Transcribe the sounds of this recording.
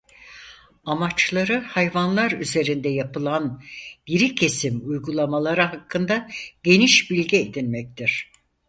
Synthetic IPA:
amat͡ʃlˠaɾɯhajvanlˠaɾyze̞ɾind̪ɛjapɯlˠanɟiɾicʰe̞simujɡulˠamalˠaɾaɦakʰːɯnd̪aɟ̥e̞niʃbilʲɟied̪inʲmɛc̚t̪ʰiɾ̝̥

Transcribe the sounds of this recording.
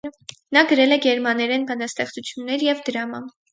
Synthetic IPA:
nɑɡəɾɛlɛɡɛɾmɑnɛɾɛnbɑnɑst̪ɛχt͡sut͡sʰjunːɛɾjɛvd̪əɾɑmɑn

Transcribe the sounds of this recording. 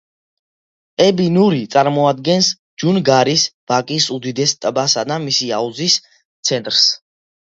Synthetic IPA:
ɛbinuɾit̪sʼaɾmɔad̪ɡɛns | d͡ʒunɡaɾisb̥akʼisud̪id̪ɛst̪ʼbasad̪amisiauzis | t̪sʰɛnt̪ʼɾs

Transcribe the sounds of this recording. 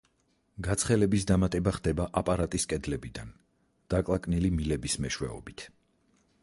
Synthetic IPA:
ɡat̪sʰχɛlɛbisd̪amat̪ʼɛbaχd̪ɛbaʔapʼaɾat̪ʼiskʼɛd̪lɛbid̪an | d̪̥akʼlˠakʼnilimilɛbismɛʃwɛɔ̰bit̪ʰ

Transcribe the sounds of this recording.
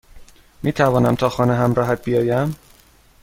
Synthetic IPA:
miːt̪ʰævɒːnæmt̪ʰɒːxɒːneɦæmɾɒːɦæt̪̚b̥ijɒːjæm

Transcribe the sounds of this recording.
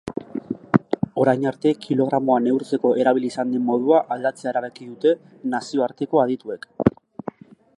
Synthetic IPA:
o̞ɾajɲaɾt̪e̞kʰilo̞ɣ̞ɾamo̞ane̞wɾt͡se̞ko̞ʔe̞ɾaβ̞iliːsand̪emːo̞ð̞uaʔald̪at͡se̞aeɾaβe̞kiðut̪e̞ | nasio̞aɾt̪e̞ko̞að̞it̪ue̞k

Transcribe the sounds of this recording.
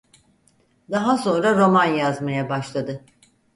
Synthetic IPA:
d̪aɦaso̞nɾaɾo̞manjazmajabaʃlˠad̪ɯ

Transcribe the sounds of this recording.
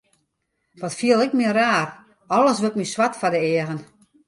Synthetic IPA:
ʋɔtfiəlˠɪkmɪəraːr | ɔlˠəsʋøt̚miswatfadəɪəɣən

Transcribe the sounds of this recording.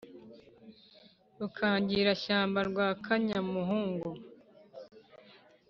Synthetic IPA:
ukʰaːɲɟiːɾaʃaːmbaɾɡwaːkʰaɲamuɦuːŋɡo

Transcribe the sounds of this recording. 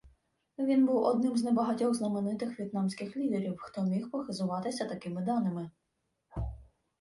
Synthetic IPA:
ʋʲinbuwɔd̪nɪmznɛbɐɦɐtʲɔwznɐmenɪt̪ɪxʋʲjit̪̚nɑmsʲkɪxlʲid̪eɾʲiwxt̪ɔmʲixpɔxɪzʊʋɑt̪ɪsʲɐt̪ɐkɪmɪd̪ɑnɪmɪ

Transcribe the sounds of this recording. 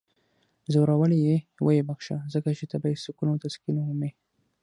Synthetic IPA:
zoɾawəlejewəjebaxʃa̰zəkat͡ʃet̪abaisukunot̪askinome

